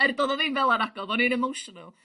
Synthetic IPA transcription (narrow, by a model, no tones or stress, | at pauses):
ɛrdɔðɔðɨnvɛlˠanaɡɔðɔniɾɛmowʃɔnə̰lˠ